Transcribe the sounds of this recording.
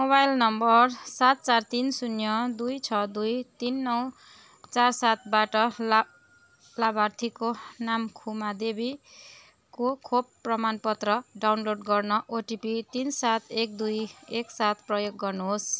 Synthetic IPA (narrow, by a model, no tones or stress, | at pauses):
mobajlnʌmbʌrsat̪̚t͡sart̪insunjʌd̪ujt͡sʰʌd̪ujt̪inːʌw | t͡sarsat̪̚ʰbaʈʌ | labart̪ʰikonamkʰumad̪ebi | kokʰobpːrʌmanpʌt̪rʌɖawnloɖɡʌrnʌʔoʈipit̪insat̪ʰek̚d̪ujeksat̪ʰprʌjoɡːʌrnuɦos